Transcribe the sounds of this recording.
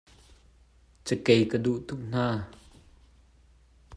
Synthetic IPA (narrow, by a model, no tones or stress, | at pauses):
t͡səkejkəduʔt̪ʰuk̚n̥aː